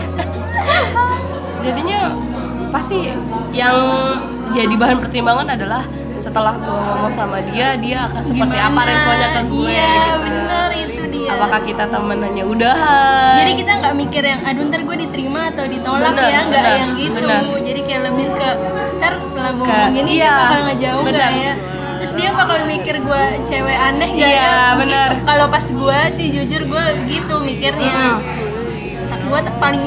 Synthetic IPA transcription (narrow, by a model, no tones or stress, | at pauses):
d͡ʒadiɲa | past̪i | jaŋ | d͡ʒadibaɦanpərt̪imbaŋanadalah | sət̪əlahɡuaŋomasamadiadiaːkansəpərt̪iapaɾjaŋsəbaɲakːəɡuabənərit̪udiaapakahkit̪at̪əmənanɲaudaɦad͡ʒaɾikit̪aŋɡaʔmikɪrjaŋadunt̪ərɡuadit̪əɾimaːt̪awdit̪olaknjaŋɡaʔjaŋɡit̪bəund͡ʒadikajaʔləbɪhkə | t̪ərsə̥t̪əlabuŋinijaakalŋɡad͡ʒaubɡnəja | t̪ɾʊsdiapakalomikɪrɡuat͡ʃeweanək̚ɡaaabənərkalopasɡuasɪhd͡ʒud͡ʒʊrɡuabəɡit̪umikɪrɲa | t̪ak̚ɡuatpalɪŋ